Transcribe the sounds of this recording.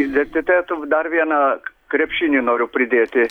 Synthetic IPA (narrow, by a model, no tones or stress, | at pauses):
id̪ʲɛnʲt̪ʲɪt̪ɛt̪ʊd̪aɾʋʲiɛnakɾʲɛpʃʲinʲɪnoːɾʲʊpɾʲɪd̪ʲeːt̪ʲɪ